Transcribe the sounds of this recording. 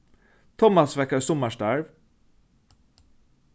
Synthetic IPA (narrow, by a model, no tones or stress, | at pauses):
t̪ʰɔmɑsʋɛkəsɔməʃtæɹʋ